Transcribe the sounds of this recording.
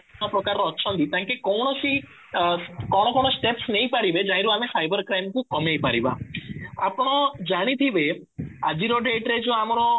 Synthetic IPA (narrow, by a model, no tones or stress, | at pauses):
ɔpɾɔkaɾɔtːʃʰɔnd̪it̪ãŋkekɔwɽ̃ɔsi | kɔɽ̃ɔkɔñosʈepsnejpaɾibed͡ʒaj̃ɾuamefajbɔɾkɾajmkukɔmejpaɾiba̰apɽ̃ɔd͡ʒaɽ̃it̪ʰibe | a̰d͡ʒiɾoɖeʈɾed͡ʒoamɔɾɔ